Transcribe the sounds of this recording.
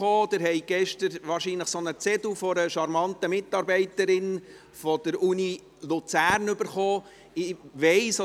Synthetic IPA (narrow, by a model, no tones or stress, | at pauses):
oːd̥̪ɪɾɦɛjɡ̥ɛʃtəɾʋɑːɾʃiːnləχsonət͡sɛdufɔɾəʃɑɾmɑntəmɪtːɑɾbɛɪtəɾɪn | fɔd̥̪əɾuni | lut͡sæːɾnʏbəɾχoː | ɪʋɛɪsɔ